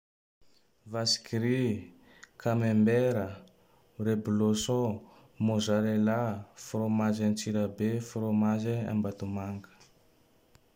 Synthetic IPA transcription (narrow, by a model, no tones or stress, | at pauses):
vasi̥kiɾi | kʰamembeɾə | rebuloso | mozaɾelafromazant͡ʃiɾabefɾomazea̰mbat̪umaŋkə̥